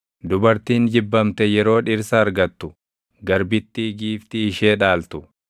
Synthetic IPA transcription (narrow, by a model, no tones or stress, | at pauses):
d̪ʊbɐɾt̪iːnd͡ʒɪbːɐmt̪ɛjɛɾo̞ːᶑɪɾsɐːɾɡɐt̪ːʊ | ɡɐɾbɪt̪ːiɡiːft̪ɪːʃeːᶑaːlt̪ʊ